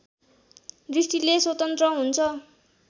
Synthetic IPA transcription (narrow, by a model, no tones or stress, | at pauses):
risʈileswʌt̪ʌnt̪rʌɦunt͡sʰʌ